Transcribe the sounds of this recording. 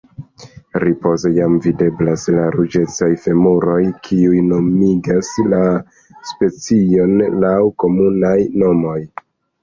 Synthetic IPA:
ɾipo̞zejamvide̞blaslaɾud͡ʒe̞t͡sajfe̞muɾo̞jkʰiujno̞miɡasla | spe̞t͡sio̞nlawko̞munajno̞mo̞j

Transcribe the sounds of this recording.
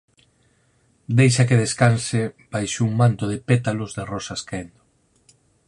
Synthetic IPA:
d̪ejʃakɪðeskansɪbajʃouŋmant̪ʊð̞ɪpet̪alʊzðerɔsaskaend̪o

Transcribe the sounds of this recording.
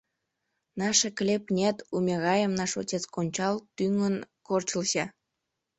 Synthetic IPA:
nɑʃeklʲepnʲet̪umʲeɣɑjəmnɑʃotʲet͡skonʲt͡ɕɑlt̪yŋən | kort͡ɕəlɕɑ

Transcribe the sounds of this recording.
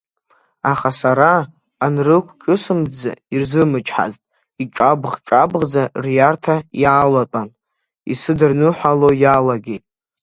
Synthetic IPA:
aχasaɾaː | nrɨkʷʰkʼɨsɨmd͡za̰irzɨmɨt͡ʃʰʼħa̰ztʼ | iʈ͡ʂʼabχʈ͡ʂʼabʁd͡zarjartʰajaːlatʷʼan | ḭsɨdɨrnɨħʷalojalaɡʲetʼ

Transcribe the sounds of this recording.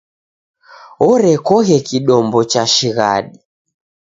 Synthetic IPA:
ɔɾɛkɔɣɛkiɗɔmbɔt͡ʃaʃiɣa̰ɗi

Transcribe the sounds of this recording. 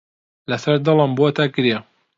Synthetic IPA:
lɐsɐɾd̪ɨləmbot̪akɨɾe

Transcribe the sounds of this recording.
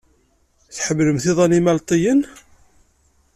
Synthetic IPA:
θħəmːləmθiðˤænimælt̪ˤijən

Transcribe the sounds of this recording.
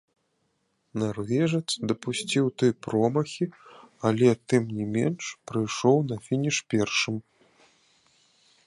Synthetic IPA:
narvʲɛʐɛt̪sd̪ɐpusʲt͡sʲiwt̪ɨjpɾɔmɐxʲialʲɛt̪ɨmnʲɛmʲɛnʂpɾɨjʂɔwnɐfʲinʲiʂpʲɛrʂɨm

